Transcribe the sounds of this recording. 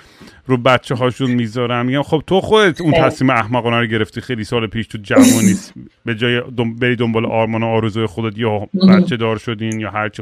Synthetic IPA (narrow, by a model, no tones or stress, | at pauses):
ɾubæt̪t͡ʃʰeɦɒːʃunmiːzɒɾæmːiɟæmxo̞b̥̚t̪ʰo̞xo̞d̪et̪ʰunt̪ʰæsmiːmeæhmæɣɔːnæɾoɟe̞ɾe̞ft̪ixejlisɒːlepʰiːʃt̪ʰud͡ʒævuniːs | be̞d͡ʒɒːjedobeɾiːd̪ombɒːleʔɒːɾmɒːnoɒːɾezuːjexod̪et̪jɒbæt̪t͡ʃʰe̞d̪ɒːɾʃo̞d̪iːnjɒːɦæɾt͡ʃʰi